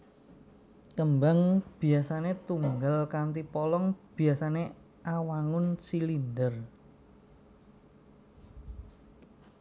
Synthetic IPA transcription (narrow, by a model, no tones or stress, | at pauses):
kəmbaŋb̥i̤asanet̪uŋɡalkant̪ipɔlɔŋb̥i̤asane | awaŋʊnsilindər